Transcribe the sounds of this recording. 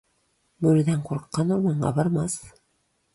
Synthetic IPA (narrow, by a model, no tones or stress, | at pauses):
bɵɾɘ̆d̪æɴquɾɤqːɑnoɾmɑɴɢɑ̰bɑɾmɑs